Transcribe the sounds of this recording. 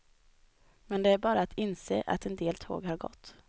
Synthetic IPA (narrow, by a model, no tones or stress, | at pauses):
mɛnd̪ɛæɾbɑːɾaːt̪ʰɪnseːʔa̰t̪ɛnd̪eːlt̪ʰo̰ːɡhaɾɡɔ̰t̪ː